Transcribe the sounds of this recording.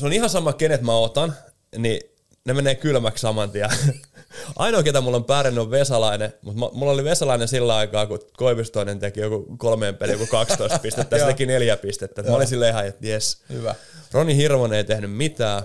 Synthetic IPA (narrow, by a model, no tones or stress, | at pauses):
seonihɑsɑmːˑɑkenet̪mæot̪ɑn | ni | nemeneːkylmækssɑmɑnt̪iɑ | ʔɑ̰inoket̪æmulːompæːɾenːyoʋʋesɑlɑinemut̪mɑmulːoliʋesɑlɑinensilːæɑikɑːkukoiʋist̪oinent̪ekijokukolmeːmpelijokukɑkst̪oist̪pist̪et̪ːæːst̪ekineljæpist̪et̪ːæet̪mæolinsilːeihɑjet̪jeshyʋæ | ronihirʋoneit̪ehnymmit̪æː